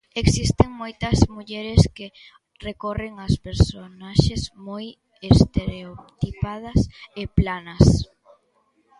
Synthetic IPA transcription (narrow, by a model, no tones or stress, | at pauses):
eksist̪eŋmojt̪ɐzmuʎɛɾeske | rekoreŋɐspeɾsonaʃezmoj | est̪eɾeot̪ipað̞ɐseplanɐs